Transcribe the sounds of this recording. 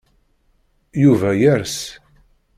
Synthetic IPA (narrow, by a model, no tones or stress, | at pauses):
juvæjæɾs